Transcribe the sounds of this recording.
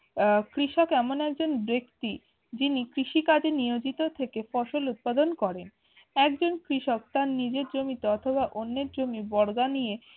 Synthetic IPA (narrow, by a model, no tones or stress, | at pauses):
kɾiʃokɛmonɛk̚d͡ʑonbɾekt̪i | d͡ʑinikɾiʃikad͡ʑenijod͡ʑit̪ot̪ʰekefɔʃolut̪̚pad̪onkɔɾen | ɛkd͡ʑonkɾiʃokt̪aɾnid͡ʑeɾd͡ʑomit̪oɔt̪ʰobaʔonːeɾd͡ʑomibɔɽɡanije